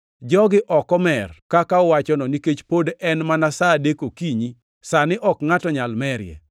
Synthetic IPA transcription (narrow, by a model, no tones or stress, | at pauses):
d͡ʒɔɡɪʔɔkɔmɛrkakaɔwat͡ʃɔnɔniket͡ʃpodɛnmanasadekokiɲi | sanɪʔɔkŋatɔɲalmɛɾjɛ̰